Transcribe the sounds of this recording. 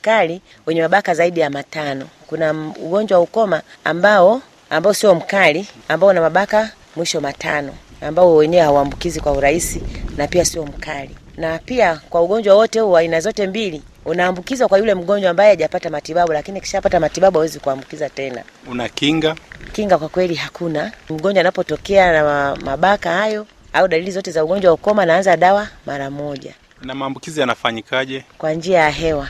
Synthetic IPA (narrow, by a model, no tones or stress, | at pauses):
kali | wɛɲɛmaɓakazaiɗijamatanɔkunaṵɡɔɲd͡ʒwawaukɔma | a̰mbaɔ | ambaɔsiɔm̩kaliambaɔunamaɓaka | mwiʃɔmatʰa̰nɔambaɔwɛɲɛɛhauambukizikwauɾaisinapiasiɔm̩kalḭnapiakwauɠɔɲd͡ʒwawɔtɛhuːainazɔtɛmbili | unaːmbukizwakwajulɛm̩ɠɔɲd͡ʒwaːmbajɛaʄapatamatiɓaɓulakiniaki̥ʃapatamatiɓaɓuawɛzikuambukizatɛna̰unakiŋɡakiŋɡakwakwɛliɦakunam̩ɡɔɲd͡ʒwanapɔtɔkɛanamaɓakahajɔ | auɗalilizɔtɛzauɠɔɲd͡ʒwaukɔmanaanzaɗawamʔaɾamɔʄa̰ | namaːmbukizijanafaɲikaʄɛkwand͡ʒiajaɦɛwa